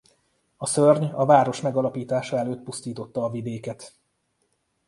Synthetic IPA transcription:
ɒsørɲɒvaːɾo̞ʃmɛɡɒlɒpiːt̪aːʃɒɛløːt̪̚pust̪iːt̪o̞t̪ːɒːvid̪eːkɛt̪

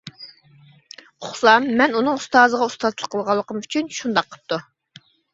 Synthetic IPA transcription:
qʰʊχsɑmːɛnunɨŋust̪ɑːzəʁɑust̪ɑzlˠə̥qʰəlˠʁɑlˠːəqəmyt͡ʃʰynʃund̪ɑqːʰə̥p̚t̪u

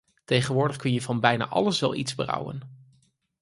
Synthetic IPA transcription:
tejχənʋʊːɹdəχkɵnjəvɑnbɛjna̰ːʔɑ̰ləsʋɛlˠʔitz̥bərɑ̰wə̰n

